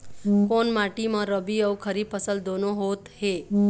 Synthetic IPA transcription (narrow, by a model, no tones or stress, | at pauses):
konmaʈimãɾəbiəʋkʰəɾipʰəsəld̪onoɦot̪he